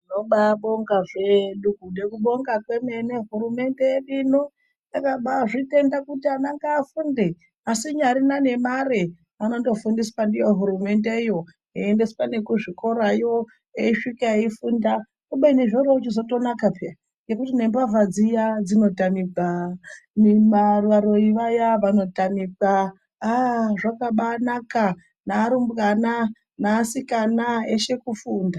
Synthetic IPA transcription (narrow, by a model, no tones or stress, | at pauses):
noɓaɓo̞ŋɡaʐeɗukunekuɓo̞ŋɡakwe̞me̞neɦuɾume̞nde̞erino | nakaɓaʐite̞ndakutianaŋɡaːfunde | asiɲaɾinane̞mare | ano̞to̞fundispandijo̞ɦuɾume̞ndeijo̞ | iendesi̥pane̞kuʐiko̞ɾaijo | eiʂikaeifunda | koɓaineʐoraut͡ʃizo̞to̞nakapea | je̞kutine̞mbavad͡zijad͡zino̞tamibʱa | nimarʋaɾo̞iʋajaʋano̞tamiɡaː | ʐakaɓanaka | naːɾumbɣana | naːsikanaeʃe̞kufuːnda